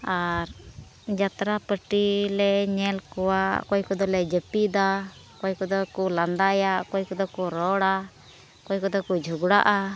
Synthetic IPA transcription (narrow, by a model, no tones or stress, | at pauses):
aɾ | d͡ʒat̪ɾapəʈilɛɲɛlkɔwaʔkɔjkɔd̪ɔlɛd͡ʒəpid̪akɔjkɔd̪ɔkuland̪ajaʔkɔjkɔd̪ɔkɔɾɔɽa | kɔjkɔd̪ɔkud͡ʒʱuɡɽa̰ʔa